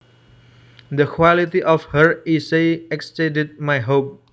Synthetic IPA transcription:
d̪əkʰwalit̪iʔɔfhəɹiseɛkstɛ̃did̪̚majɦop̚

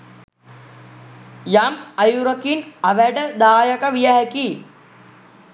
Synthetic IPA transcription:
jamajuɾəkinaʋæɖəd̪aːjəkəʋijəɦɛki

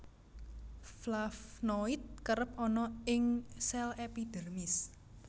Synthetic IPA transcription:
flafnoit̪̚kəɾəp̚ɔnɔɪŋsɛlepid̪̥e̤rmɪs

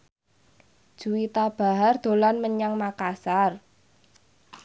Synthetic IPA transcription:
d̥ʒ̥uwit̪ab̥a̤ɦard̪̥o̤lanməɲaŋmakasar

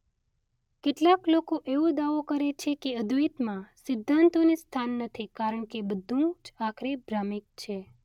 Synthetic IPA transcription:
keʈlaklokoʔeʋõd̪aʋokəɾet͡ʃʰekeəd̪ʱuit̪mãsɪd̪ʱːant̪onist̪ʰanːət̪ʰikaɾəɳkebəd̪ʱũd͡ʒakʰɾebʱɾamik̚t͡ʃʰe

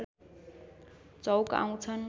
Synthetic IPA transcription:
t͡sʌwka̰w̃t͡sʰʌn

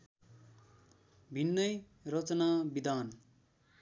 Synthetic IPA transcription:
bʱinːʌj | rʌt͡sʌnabid̪aːn

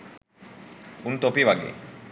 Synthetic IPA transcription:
unt̪opiʋaɡḛ

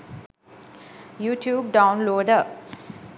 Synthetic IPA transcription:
juːʈʰjuːb̚ɖãʊnloːɖə

